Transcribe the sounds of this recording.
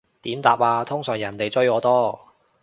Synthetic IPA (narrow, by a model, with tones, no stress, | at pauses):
t̪iː˨˥mt̪aː˨p̚aː˧t̪ʰʊ˥ŋsœː˨˩ŋjɐ˨˩nt̪e˨jt͡sɵ˥ɥkɔː˨˧˥t̪ɔː˥